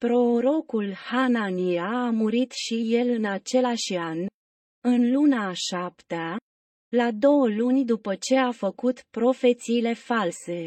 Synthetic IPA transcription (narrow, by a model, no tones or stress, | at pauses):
pɾo̞ɾo̞kulhananiaːmuɾit̪ʃije̞lɨnat͡ʃe̞laʃan | ɨnlunaʃapt̪ea | lad̪o̞wəlunʲd̪upət͡ʃe̞afəkut̪pɾo̞fe̞t̪siːle̞false̞